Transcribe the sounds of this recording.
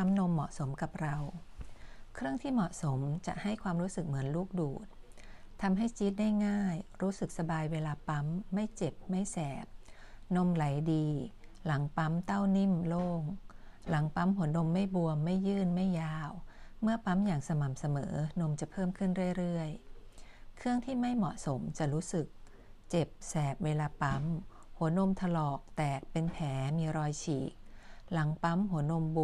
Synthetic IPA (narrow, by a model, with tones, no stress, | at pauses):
a˦˥mno˧mːɔ̰˨˩ʔso˩˦mka˨˩p̚ɾa˧w | kʰɾɯ˥˩əŋt̪ʰiː˥˩mɔ˨˩ʔso˩˦mt͡ɕa̰˨˩ʔha˥˩jkʰwaː˧mɾuː˦˥sɯ˨˩k̚mɯ˩˦ənluː˥˩k̚duː˨˩t̪̚t̪ʰa˧mɦa˥˩jt͡ɕi˦˥t̪̚da˥˩jŋaː˥˩jɾuː˦˥sɯ˨˩k̚sa˧baː˧jweː˧laː˧pa˦˥mːa˥˩jt͡ɕe˨˩p̚ma˥˩jsɛː˨˩p̚no˧mla˩˦jdiː˧la˩˦ŋpa˦˥mt̪a˥˩wni˥˩mloː˥˩ŋ | la˩˦ŋpa˦˥mɦu˩˦ɐno˧mːa˥˩jbu˧əmːa˥˩jːɯː˥˩nma˥˩jːaː˧˥˩wmɯ˥˩ɐpa˦˥mjaː˨˩ŋsa˧ma˨˩msa˧mɤː˩˦no˧mt͡ɕa˨˩pʰɤː˥˩mkʰɯ˥˩nɾɯ˥˩əjɾɯ˥˩əj | kʰɯ˥˩əŋt̪ʰiː˥˩ma˥˩jmɔ˨˩ʔ̚so˩˦mt͡ɕa˨˩ɾuː˦˥sɯ˨˩k̚ | t͡ɕe˨˩p̚sɛː˨˩p̚weː˧laː˧pa˦˥m | hu˩˦ɐno˧mt̪ʰa˧lɔː˨˩k̚t̪ɛː˨˩k̚pe˧npʰɛː˩˦miː˧ɾɔː˧jt͡ɕʰiː˨˩k̚la˩˦ŋpa˦˥mɦu˩˦ɐəno˧mb